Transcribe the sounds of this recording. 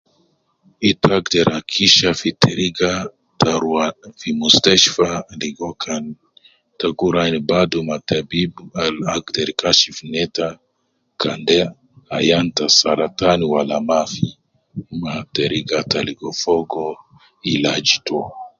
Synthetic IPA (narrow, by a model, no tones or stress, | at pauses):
itaɡdɛɾakʰiʃafiteɾiɡa | taɾanfimustɛʃfadiɡokʰan | taɡuɾanibadomatabibalaɡdɛɾkaʃifinɛta | kandɛ | ajantasaɾataniwalamafi | mateɾiɡataliɡɔfɔɡo | ilad͡ʒitɔ